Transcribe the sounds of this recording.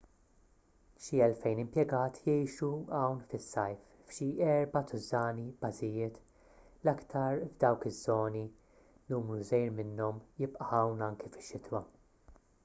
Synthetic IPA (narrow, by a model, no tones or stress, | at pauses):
ʃiɛlfɛjnɪmpjɛɡɐːt̪ʰjɛjʃuɐwnfɪsːɐjf | fʃiɛɾbɐt̪ʊzɐːnibɐzɪjɪːt̪ | lɐkt̪ʰɐɾvd̪ɐwkɪzːɔːni | nuːmɾuzɛjɾmɪnːɔmjɪpʼʔɐxɐwnɐŋkifɪ̥ʃːɪt̪wɐ